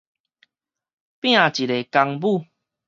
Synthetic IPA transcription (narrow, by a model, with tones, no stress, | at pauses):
pj̃ã˥˨t͡ɕi˨ɾe˨˩ka˧ŋbu˥˨